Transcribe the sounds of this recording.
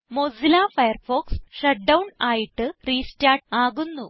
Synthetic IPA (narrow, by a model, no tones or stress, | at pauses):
mozilaːfɐjɐrfoːksʂɐʈ̚ɖɐwɳaːjiʈːɨriːstaːʈ̚aːɣunːu